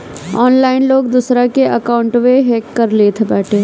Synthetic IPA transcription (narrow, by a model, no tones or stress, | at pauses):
ɔːnlaːɪnloːɡd̪usɾakeʔɐkaːʊ̃ɳʈʋeɦeːkːəɾleːt̪ʰebɛːʈʰeː